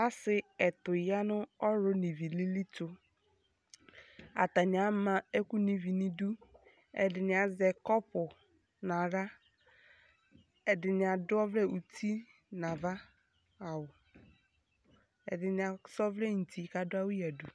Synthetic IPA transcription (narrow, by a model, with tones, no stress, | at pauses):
a˦sɪ˨ɛ˨tʊ˨ja˦nʊ˦ɔ˦ɾʊ˦ni˨vi˨li˦li˦tʊ˦ | a̰˨ta˨nɪ˨a˨˦ma˦ɛ˦ku˦ni˨vi˨ni˨du˦ | ɛ̰˨dɪ˨nɪ˨a˨zɛ˨kɔ˦pʊ˨ | na˨ɾa˦ | ɛ˨dɪ˨nɪ˨a˨dʊ˦ɔ˦vlɛ˦u˨tʰi˦ | na˨va˦ | a˨wʊ˨ | ɛ̰˨dɪ˨nɪ˨a˨sɔ˦vlɛ˦n̩˨tʰi˨ka˨dʊ˦a˦wʊ˦ja˨du˨